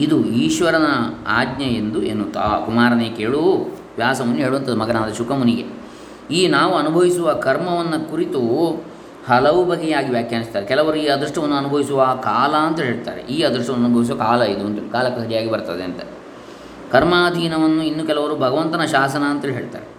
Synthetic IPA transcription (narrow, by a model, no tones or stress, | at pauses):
id̪uiːʃʋɐɾɐnɐaːɡɲɐend̪uenːut̪a̰kumaːɾɐneːkeːɭuʋjaːsɐmunːɦeːɭuʋɐnt̪ɐd̪umɐɡɐnaːd̪ɐʃukɐmuniɡḛ | iːnaːʋuɐnubʱɐʋisuʋɐkɐɾmɐʋɐnːɐkuɾit̪u | hɐlɐʋubɐɡɛjaːɡiʋjaːkʰjaːnist̪aːɾekɛlɐʋɐɾuiːɐd̪ɾɐʂʈɐʋɐnːuɐnubʱɐʋisuʋɐkaːlɐːnt̪ɐɦe̞ːɭt̪a̰ːɾḛʔiːɐd̪ɾɐʂʈɐʋɐnɐːnubʱɐʋis̬uʋɐkaːlɐid̪uɐnt̪ilkaːlɐkːsɐɾijaːɡibɐɾt̪ɐd̪eɐnt̪ɐ | kɐɾmaːd̪ʱiːnɐʋɐnːuinːukɛlɐʋɐɾubʱɐɡɐʋɐnt̪ɐnɐʃaːsɐnɐːnt̪ɐlɦeːɭt̪a̰ːɾe